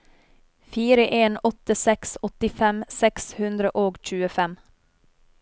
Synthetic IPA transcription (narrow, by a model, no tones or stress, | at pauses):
fiːɾəʔeːnɔt̪əsɛksɔt̪ɪfɛmsɛkshʉnd̪ɾəʔoːɡc͡çʉːəfɛm